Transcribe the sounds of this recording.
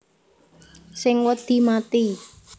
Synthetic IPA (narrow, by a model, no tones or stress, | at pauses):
sɪŋwəd̪̥i̤mat̪i